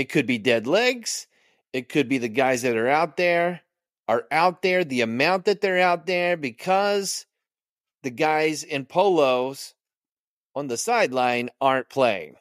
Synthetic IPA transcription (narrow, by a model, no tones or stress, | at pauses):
ɨt̚kʰɨd̚bidɛdˡlɛɡz̥ | ɨt̚kʰɨd̚biðɨɡaɪzðɨɾə˞aʊt̪̚ðə˞ | ə˞ʔaʊt̪̚ðə˞ðiɨmãʊ̃n̚ðɨt̪̚ðə˞aʊt̪̚ðə˞bɨkʰʌz | ðɨɡaɪzɪ̃npʰoʊloʊz̥ | ə̃nðɨsaɪdˡlãɪ̃nɑɹnpʰl̥eɪɪ̰̃ŋ